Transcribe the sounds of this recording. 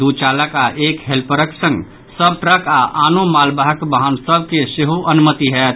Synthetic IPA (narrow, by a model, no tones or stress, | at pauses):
d̪ut͡ʃaləkaʔekɦelpəɾəksə̃ŋɡ | səb̚ʈɾəkaʔanomalbaɦəkbəɦənsəb̚keseɦoʔənumət̪iɦɛt̪̚